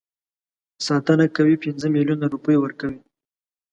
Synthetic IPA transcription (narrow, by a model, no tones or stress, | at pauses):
sɑt̪ənakawipɪnzəmiljunaɾupəjewəɾkawi